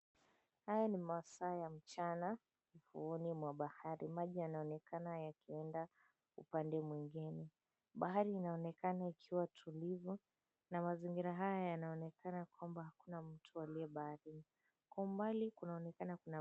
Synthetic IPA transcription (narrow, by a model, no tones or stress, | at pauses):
hajanimasaːjam̩t͡ʃana | ifṵɔnimwaɓahaɾimaʄijanaɔnɛkanajakiɛnda | ṵpandɛmwiŋɡinɛ | ɓaɦaɾiːnaɔnɛkanaikʰiwatʰulivu | namaziŋɡiɾaɦajajanaɔnɛkʰanakwambahakunam̩tʰualiɛɓahaɾini | kwaumbalikunaɔnɛkanakuna